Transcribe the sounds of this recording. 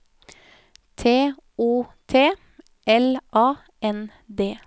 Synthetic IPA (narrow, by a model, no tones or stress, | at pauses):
t̪ʰeːuːt̪ʰeː | ʔɛlʔɑː | ʔɛn | d̪eː